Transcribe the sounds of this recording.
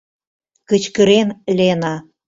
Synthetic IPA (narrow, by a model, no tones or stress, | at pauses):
kə̆t͡ɕkə̆ɾenlenɑ